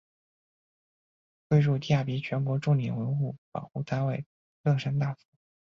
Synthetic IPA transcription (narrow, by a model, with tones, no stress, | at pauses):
kwe˥˧ɪɻu˥˧t̪i˥˧ja˥˩pi˧˥t͡ɕʰɥɛ˧˥nkwɔ˧˥ʈ͡ʂʊ˥˩ŋljɛ̰˨˩nwə˧˥nxu˥˩pɑ̰˨˩ʊxu˥˩t̪ʰa˥nwe˥˩ɪ | lɤ˥˩ʂa˥nt̪a˥˩fu˧˥